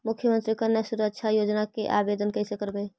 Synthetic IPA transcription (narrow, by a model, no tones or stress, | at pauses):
mʊkʰːjəmənt̪ɾikəɾnəsuɾəkt͡ʃʰajod͡ʒnakeʔabed̪ənkəɦsekəɾbɛ